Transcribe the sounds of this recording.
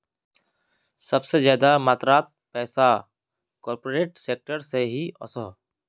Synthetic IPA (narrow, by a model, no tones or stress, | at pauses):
sɐbsezjaːd̪amaːt̪ɾaːt̪̚pɛːsa | kɔːɾpoːɾeːʈseːk̚ʈəɾseɦiɔ̰səɦ